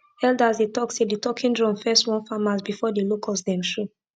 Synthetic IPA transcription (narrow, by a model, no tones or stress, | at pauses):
ɛldazdetɔksedetɔkʰĩndɹɔ̃mfɛstwɔ̃nfamasbifɔdelokʰɔsdɛ̃mʃɹu